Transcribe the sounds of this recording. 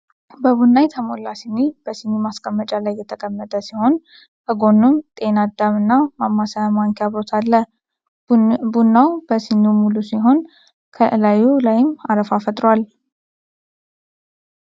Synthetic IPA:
bəβunːajt̪ʰəmo̞lasinib̥əsinːimaskʼəmːət͡ʃʼalajːɛt̪ʰəkʼəmːət̪ʼəsiho̞n | kʰəɡo̞nːumt̪ʼe̞nad̪amɨnːamamːasajamaŋkʰaβɾo̞t̪ʰalːə | bunːawb̥əsinimulusiɦo̞n | kʰəlajulajɪmaɾəfafət̪ʼɾwal

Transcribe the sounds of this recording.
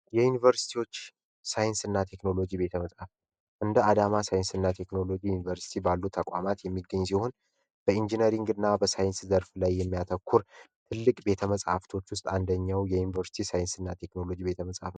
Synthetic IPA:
jɛjunivəɾsi̥t̪ʰiwo̞t͡ʃː | sajɪnsɨnːat̪ʰe̞kno̞lo̞d͡ʒibe̞t̪ʰəməsʼaf | ʔɨnd̪əad̪amasajɪnsɨnːat̪ʰe̞kno̞lo̞d͡ʒijunivəɾsi̥t̪ʰibalːut̪ʰːəkʼa̰mat̪jɛmːiɡːəɲːs̬iho̞n | b̥əind͡ʒinəɾiŋɡɨnːabəsajɪnszəɾflajːɛmːijat̪ʰəkʰːuɾt̪ʰɨlːɨkʼbe̞t̪ʰəməsʼha̰ft̪ʰo̞t͡ʃːwʊst̪ʼand̪əɲːawjɛjunivəɾsi̥t̪ʰisajɪnsɨnːat̪ʰe̞kno̞lo̞d͡ʒibe̞t̪ʰəməsʼa̰f

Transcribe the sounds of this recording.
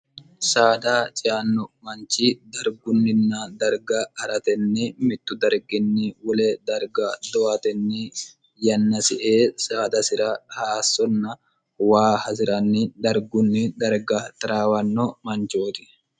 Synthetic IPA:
saːd̪aːt͡ʃʼɪaːnːɔmɐnt͡ʃid̪ɐɾɡʊnːɪnːad̪ɐɾɡaɐɾɐt̪ɛnːɪmɪt̪ːʊd̪ɐɾɡɪnːɪwɔleːd̪ɐɾɡad̪ɔat̪ɛnːɪ | jɐnːɐsɪʔeːsaːd̪ɐsɪɾɐhaːsːɔnːɐ | waːhɐsɪɾɐnːɪd̪ɐɾɡʊnːɪd̪ɐɾɡat̪ɐɾaːwɐnːɔmɐnt͡ʃoːt̪ɪ̥

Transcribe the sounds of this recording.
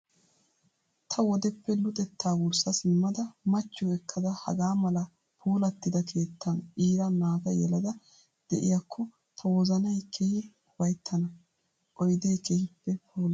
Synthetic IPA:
t̪ʰɐwɔd̪ɛpːɛlʊt̪ʼɛt̪ʰːaːwʊɾsɐsɪmːɐd̪ɐmɐt͡ʃːɔɛkʰːɐd̪ɐhɐ̰ɡaːmɐlɐ | pʰuːlɐt̪ːɪd̪ɐkʰe̞ːt̪ʰːɐnʔiːɾɐnaːɡɐjɛ̰lɐd̪ɐ | d̪̥ɛʔɪjakːɔ | t̪ʰɐwɔzɐnɐjkʰehɪ | ʊbɐjt̪ʰːɐnɐ | ʔɔjd̪e̞ːkehɪpːɛpʰuːl

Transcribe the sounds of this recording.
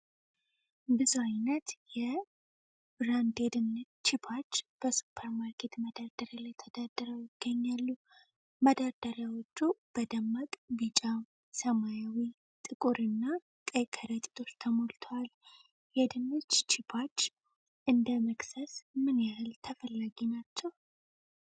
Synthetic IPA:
bɨzuajnət̪jɛ | bɾand̪ed̪ɨnː | t͡ʃːɪpʰat͡ʃːb̥əsu̥pʰːəɾmaɾkʰe̞t̪məd̪ad̪̥əɾalajt̪ʰəd̪̥ad̪ːəɾəwjɪɡ̥ːəɲːalːu | məd̪aɾd̪̥əɾjawot͡ʃːub̥əd̪əmːakʼbɨt͡ʃʼa | səmajawi | t̪ʼɨkʼuɾɨnːa | kʼəjkʰʼəɾət͡ʃ̪ʼi̥t̪ʼo̞t͡ʃt̪ʰəmolt̪ʰowal | jɛd̪ɨnːɨt͡ʃt͡ʃʰɪbʰat͡ʃː | ʔɨnd̪əməksəsmɨnjahɨlt̪ʰəfəlːaɡinat͡ʃːɛw

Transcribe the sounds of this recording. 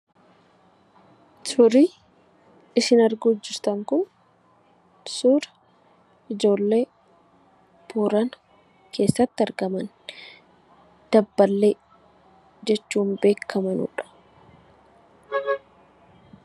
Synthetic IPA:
sʊɾi | ɪsɪnɐɾɡʊːd͡ʒːɪɾt̪ɐŋkʊn | suːɾɐ̥ | ʔɪd͡ʒo̞ːlːe̞ː | puːɾɐn | kʰe̞ːsːɐt̪ːɪɐɾɡɐmɐn | d̪̥ɐbːɐlːe̞ː | d͡ʒɛt͡ʃːuːnbe̞ːkʰːɐmɐnṵːᶑɐ̥

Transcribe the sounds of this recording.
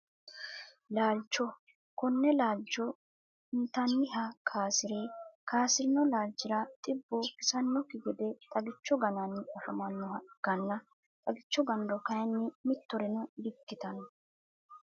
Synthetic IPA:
laːlt͡ʃːɔ | kɔnːɛlaːd͡ʒːɔ | ɪnt̪ɐnːɪɦɐkʰaːsɪɾeːkʰaːsɪɾɪnɔlaːld͡ʒːɪɾɐt̪ʼɪbːɔkɪsɐnːɔkɪɡɛd̪ɛt̪ʼɐɡɪt͡ʃːɔɡɐnɐnːɪɐfɐmɐnːɔhɐɡ̥ɐnːɐ | t̪ʼɐɡɪt͡ʃːɔɡɐnd̪ɔkɐjɐnːɪmɪt̪ːɔɾɛnɔd̪ɪkːɪt̪ɐnɔ

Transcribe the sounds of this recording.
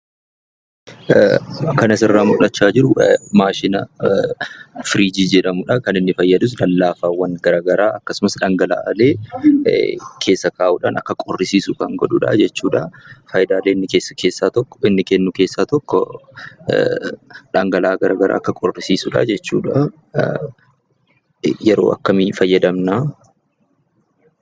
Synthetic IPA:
kɐnɐsɪrːaːmʊᶑɐt͡ʃːaːd͡ʒɪɾʊmaːʃɪnɐ | fɪɾiːd͡ʒiːd͡ʒɛᶑɐmʊᶑɐkɐnɪnːɪfɐjːɐd̪ʊs̬lɐlːaːfaːwːɐŋɡɐɾaːɡɐɾaːʔɐkːɐsʊmɐsᶑɐŋɡɐla̰ːʔɐleː | kʰe̞ːsːɐkaːʔuːᶑa̰ːnɐ̰kːɐkʼɔrːɪsiːsʊkɐŋɡɔᶑʊᶑɐ̰d͡ʒɛt͡ʃːuːᶑɐ̰fɐjd̪aːleːɪnːɪkeːsːɐkʰe̞ːsːaːt̪ɔkːɔ̥ɪnːɪkɛnːʊke̞ːsːaːt̪ɔkːɔ̰ | ᶑɐŋɡɐlaːɡɐɾaːɡɐɾa̰ːɐkːɐkʼɔrːɪsiːsʊᶑa̰d͡ʒɛt͡ʃːṵːᶑa | jɛɾo̞̰ːʔɐ̰kːɐmifɐjːɐd̪ɐmnaː

